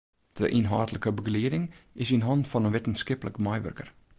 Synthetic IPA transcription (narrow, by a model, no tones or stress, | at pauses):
d̥əʔinɦɑːtləkəbəɡliədɪŋɪsinɦɑntfɑnənʋetən̩skɪpləkmɛjʋø̰rkər